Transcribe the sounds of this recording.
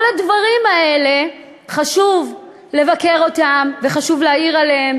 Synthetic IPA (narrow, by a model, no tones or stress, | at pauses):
oladvaʁimaele̞ | χaʃuv | le̞vake̞ʁo̞tamve̞χaʃuvleaiʁalehem